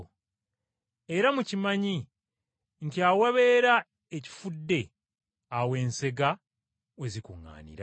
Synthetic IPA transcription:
e̞ɾamucimaɲi | ŋtiawaβeːɾa | eci̥fudːe̞ | awe̞ːnse̞ɡa | wezikuŋːa̰ːnḭɾa

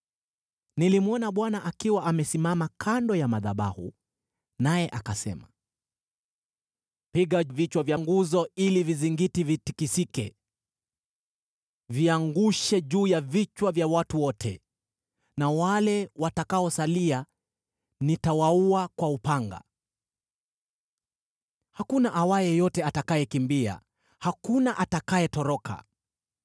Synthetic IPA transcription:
nilimuɔnaɓwanaʔakiwaʔamɛsimamakʰandɔjamaðaɓa̰hṵ | najɛʔakasɛ̰ma | piɠavit͡ʃwavjaŋɡuzɔiliviziŋɡitivitikisikɛ̰ | viaŋɡuʃɛʄuːjavit͡ʃwavjawatuwɔtʰɛ̰ | nawalɛwatakaɔsalia | nitawauakwaupaŋɡa̰ | hakunaʔawajɛjɔtɛatakajɛkimbia̰ | hakunaʔatakajɛtɔɾɔkʰa̰

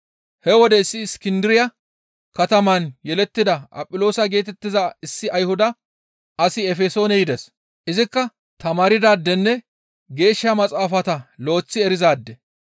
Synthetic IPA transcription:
hɛwɔd̪ɛɪsːɪːskɪnd̪ɪɾɪjɐ | kɐt̪ɐmɐnjɛlɛt̪ːɪd̪ɐʔɐ̰pʼːɪlo̞ːsɐɡe̞ːt̪ɛt̪ːɪzɐɪsːɪʔɐjhʊd̪ɐ | ɐsɪɛfɛso̞ːnɛjɪd̪ɛs | ʔɪzɪkːɐ | t̪ɐmaːɾɪd̪aːd̪ːɛnːɛ | ɡe̞ːʃːɐmɐt͡sʼaːfɐt̪ɐlo̞ːt͡sːɪɛɾɪzaːd̪ːɛ

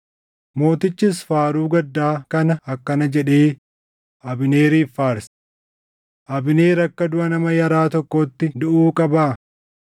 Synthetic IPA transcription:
mo̞ːt̪ɪt͡ʃːɪs̬faːɾuːɡɐd̪ːaːkɐnɐɐkːɐnɐd͡ʒɛᶑeː | ʔɐbɪne̞ːɾiːfːaːɾs | ʔɐbɪneːɾɐkːɐd̪ʊʔɐnɐmɐjɐɾaːt̪ɔkːoːt̪ːɪd̪ʊʔuːkʼɐbaː

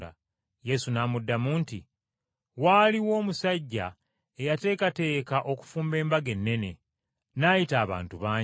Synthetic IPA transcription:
a̰ | je̞sunaːmudːamuːntḭ | waːliwo̞ːmusaɟːa̰ | e̞jate̞ːkate̞ːkaʔo̞ku̥fuːmbe̞ːmbaɡe̞nːe̞ne̞ | najitaːβa̰ːntuβaːɲ

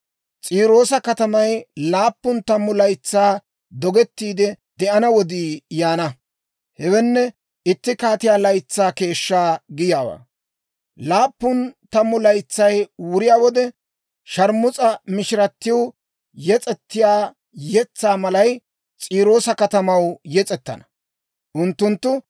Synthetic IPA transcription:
t͡sʼiːɾo̞ːsɐkɐt̪ɐmɐjlaːpːʊnt̪ɐmːʊlɐjt͡sːaː | d̪ɔɡɛt̪ːiːd̪ɛ | d̪ɛʔɐnɐwɔd̪iːjaːnɐ | hɛwɛnːɛ | ɪt̪ːɪkaːt̪ɪjaːlɐjt͡sːaːke̞ːʃːaːɡɪjaːwa̰ː | laːpːʊnt̪ɐmːʊlɐjt͡sːɐjwʊɾɪjaːwɔd̪ɛ | ʃɐɾmʊt͡sʼɐmɪʃɪɾɐt̪ːɪw | jɛt͡sʼɛt̪ːɪjaː | jɛt͡sːaːmɐlɐj | t͡sʼiːɾo̞ːsɐkɐt̪ɐmɐwjɛt͡sʼɛt̪ːɐ̰nɐ̥ | ʔʊnt̪ːʊnt̪ːʊ

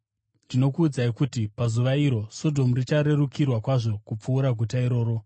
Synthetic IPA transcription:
tino̞kuːd͡zaikutipazuʋaiɾo̞so̞dʱo̞murit͡ʃaɾe̞rukʰirwakwaʐo̞kup͡fuːɾaɡʱutaiɾo̞ːɾo̞

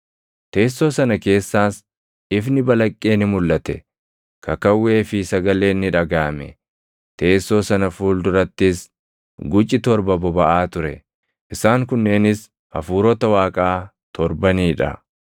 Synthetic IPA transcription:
t̪e̞ːsːoːsɐnɐke̞ːsːaːs | ɪfnɪbɐlɐkʼːeːnɪmʊlːɐt̪ɛ | kɐkɐwːe̞ːfɪsɐɡɐle̞ːnːɪᶑɐɡaːmɛ̰ | t̪e̞ːsːo̞ːsɐnɐfuːld̪ʊɾɐt̪ːɪs | ɡʊt͡ʃʼːɪt̪ɔɾbɐbɔbɐʔaːt̪ʊɾɛ̰ | ʔɪsaːŋkʊnːe̞ːnɪs | ʔɐfuːɾɔt̪ɐwaːkʼaː | t̪ʰɔɾbɐniːᶑɐ̰

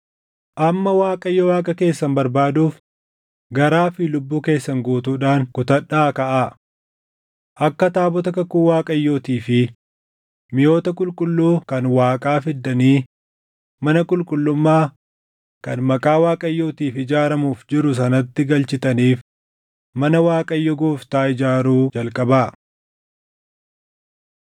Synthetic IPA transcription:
ʔɐmːɐwaːkʼɐjːɔwaːkʼɐke̞ːsːɐmbɐɾbaːd̪uːf | ɡɐɾaːfɪlʊbːuːke̞ːsːɐŋɡoːt̪uːᶑaːŋkʊt̪ɐᶑaːkɐʔaː | ʔɐkːɐt̪aːbɔt̪ɐkɐkːuːwaːkʼɐjːoːt̪iːfɪ | mɪjo̞ːt̪ɐkʼʊlkʼʊlːuːkɐnwaːkʼaːfɪd̪ːɐniː | mɐnɐkʼʊlkʼʊlːʊmːaː | kɐnmɐkʼaːwaːkʼɐjːoːt̪iːfɪd͡ʒaːɾɐmuːfd͡ʒɪɾʊs̬ɐnɐt̪ːɪɡɐlt͡ʃɪt̪ɐniːf | mɐnɐwaːkʼɐjːɔɡoːft̪aːɪd͡ʒaːɾuːd͡ʒɐlkʼɐbaː

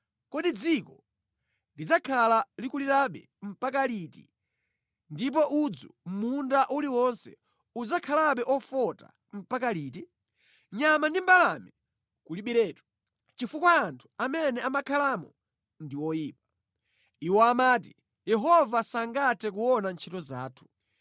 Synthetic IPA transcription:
kɔɗid͡zikɔ | lid͡zakʰalalikuliɾaɓɛ̰ | m̩pakalitḭ | ndip̬ɔʔud͡zɔmundaʔuliwɔnsɛ̰ | ud͡zakʰalaɓɛʔɔfɔta̰ | m̩pakaliːti | ɲamandimbalamɛ | kuliɓiɾɛːtu̥ | t͡ʃifukwaantʰu̥amɛnɛamakʰalamɔ | ndiwɔjiːp̚ḁ | iwɔamaːt̬i | jɛɦɔvasaŋɡatʰɛk̬uwɔnant͡ʃʰitɔza̰ːtʰu̥

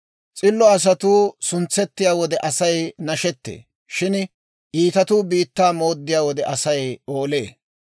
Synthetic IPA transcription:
t͡sʼɪlːɔɐs̬ɐt̪uːsʊnt͡sːɛt̪ːɪjaːwɔd̪ɛʔɐsɐjnɐʃɛt̪ːḛː | ʃɪn | ʔiːt̪ɐt̪uːbiːt̪ːaːmo̞ːd̪ːɪjaːwɔd̪ɛʔɐsɐjoːle̞ː

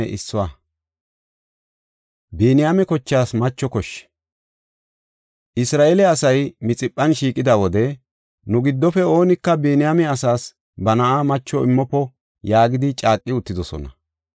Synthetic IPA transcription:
ɛ̰ʔɪsːɔwa | beːnɪjamɛkɔt͡ʃːaːsmɐt͡ʃːɔkɔʃː | ʔɪsɾaːʔɛlɛɐsɐjmɪt͡sʼɪpʼːɐnʃiːkʼɪd̪awɔd̪ɛ | nʊɡɪd̪ːɔfɛo̞ːnɪkːɐbeːnɪjamɛɐsaːs | bɐnɐʔamɐt͡ʃːɔɪmːɔpːɔ | jaːɡɪd̪ɪt͡ʃʼaːkʼːɪʊt̪ːɪd̪ɔsɔ̰nɐ

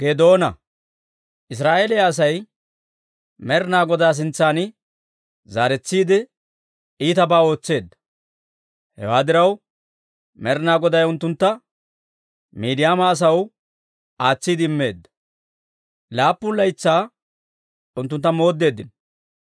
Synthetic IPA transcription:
ɡ̥eːd̪o̞ːnɐ | ʔɪs̬ɾaːʔe̞ːlɛjaːs̬ɐj | mɛɾnaːɡɔd̪aːs̬ɪnt͡sːaːnɪ | zaːɾɛt͡sːiːd̪ɪ | iːt̪ɐbaːo̞ːt͡sːe̞ːd̪ːɐ̥ | hɛ̰waːd̪ɪɾɐw | mɛɾnaːɡɔd̪ɐjʊnt̪ːʊnt̪ːɐ | miːd̪ɪjaːmɐːs̬ɐw | aːt͡sːiːd̪ɪɪmːe̞ːd̪ːɐ̥ | laːpːʊnlɐjt͡sːaː | ʊnt̪ːʊnt̪ːɐmo̞ːd̪ːe̞ːd̪ːɪn

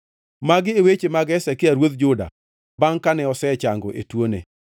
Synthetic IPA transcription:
maɡɪewet͡ʃemaɡɛsɛkɪaɾwod̪̚d͡ʒʊda̰ | baŋkanɛɔsɛt͡ʃaŋɡɔ̰ʔḛtwonḛ

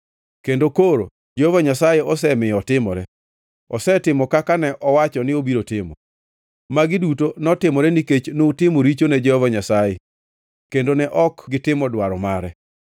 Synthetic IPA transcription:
kendokoɾo̰ | d͡ʒehovaɲasajeɔs̬ɛmɪjɔtɪmɔɾɛ | ɔsɛtɪmɔkakanɛʔɔwat͡ʃɔnɪobiɾotɪmɔ̰ | maɡɪdutonɔtɪmɔɾɛniket͡ʃnoutɪmoɾit͡ʃonɛd͡ʒɛhovaɲasaje | kendonɛʔɔkɡɪtɪmɔdwaɾɔmaɾɛ

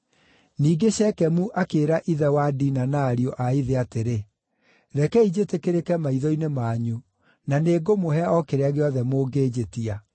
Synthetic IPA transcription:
niːɡeɕɛkɛmuʔakeːɾaʔiðɛwadiːnanaːɾiɔʔaiðeateɾe | ɾɛkɛid͡ʑetekeɾekɛmaiðɔinemaːɲu | naneːɡomoɦɛɔkeɾeaɣeɔðɛmoːɡeːd͡ʑetia

